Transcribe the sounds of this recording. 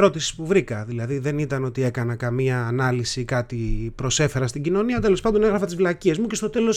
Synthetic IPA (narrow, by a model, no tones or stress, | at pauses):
ɾo̞t̪isi̥spuvɾikɐðilɐðiðe̞nit̪ɐno̞t̪ie̞kɐnɐkɐmiɐːnɐlisikɐt̪ipɾo̞se̞fe̞ɾɐst̪iɟino̞niɐt̪e̞lo̞spɐnd̪o̞ne̞ɣɾɐfɐt̪izflɐcie̞zmucest̪o̞t̪e̞lo̞s